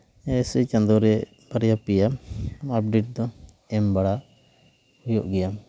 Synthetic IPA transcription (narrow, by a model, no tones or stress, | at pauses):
ɛsit͡ʃand̪ɔɾɛ | b̥aɾɛjapijamap̚ɖiʈ̚d̪ɔ | ɛmbaɽa | ujɔʔɡɛjam